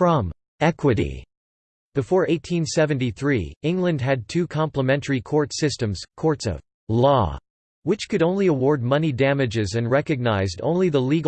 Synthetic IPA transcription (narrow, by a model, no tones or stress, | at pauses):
fɹʌ̃m | ɛkwɨɾḭ | ðɨfɔɹʔeɪtʰĩnsɛvɨ̃ntiθɹḭɪ̃ŋɡlɨ̃nd̚ɨd̚tʰʉkʰɑ̃mpləmɛ̃ntʰə˞ikʰɔɹtsɪstɨ̃mz̥kʰɔɹtsʌ̰v̥ | lɔ̰ | wɨt͡ʃkɨɾõʊ̃nliəwɔɹd̚mʌnidæmɨd͡ʒɪzɨ̃nɹɛkɨɡ̚naɪzdõ̰ʊ̃nliðəliɡ